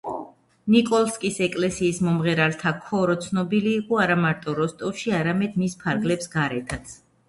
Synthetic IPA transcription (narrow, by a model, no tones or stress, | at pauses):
nikʼɔlˠskʼisɛkʼlɛsiːsmɔmʁɛɾalt̪ʰakʰɔɾɔt̪sʰnɔbiliːqʼɔaɾamaɾt̪ʼɔɾɔst̪ʼɔʃiaɾamɛd̪mispʰaɾɡlɛpsɡaɾɛt̪ʰat̪sʰ